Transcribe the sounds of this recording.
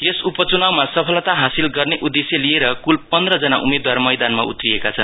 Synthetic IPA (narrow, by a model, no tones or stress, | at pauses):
jesupʌt͡sunawmasʌpʰʌlʌt̪aɦasilɡʌrneʔud̪ːesjelieɾʌkulpʌnd̪rʌd͡zʌnaʔumed̪warmʌjd̪anmaṵt̪rijekat͡sʰʌn